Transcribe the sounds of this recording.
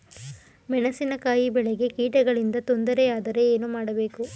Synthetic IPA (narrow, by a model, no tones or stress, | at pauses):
mɛɳɐsinɐkaːjibɛɭeɡe̞kiːʈɐɡɐɭind̪ɐt̪o̞nd̪ɐɾeaːd̪ɐɾe̞eːnumaːɽɐbe̞ːku